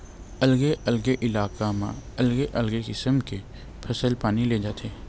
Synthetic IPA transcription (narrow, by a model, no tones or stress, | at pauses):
ɐlɡeʔɐlɡeʔɪlaːkamãɐlɡeʔɐlɡekɪsəmke | pʰɐsəlpaːnileːd͡ʒaːt̪ʰeː